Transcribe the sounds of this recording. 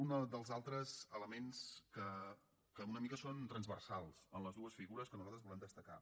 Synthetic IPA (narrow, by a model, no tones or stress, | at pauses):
und̪əlˠzalˠt̪ɾəzələmenskə | kəunəmikəsont̪ɾənzβərsalˠsənləzðuəsfiɣuɾəskənuzalˠt̪ɾəzβulɛmd̪əst̪əka